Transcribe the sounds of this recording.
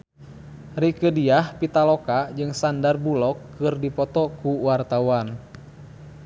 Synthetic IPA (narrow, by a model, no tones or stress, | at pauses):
rikədiahpit̪alɔkad͡ʒɨŋsandarbulɔkːɨrdipɔt̪ɔkuwart̪awan